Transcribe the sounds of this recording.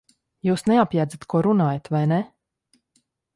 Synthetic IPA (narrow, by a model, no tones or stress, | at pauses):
juːsneapjaːd̪zat̪kʰuɔɾunaːjat̪vajnɛ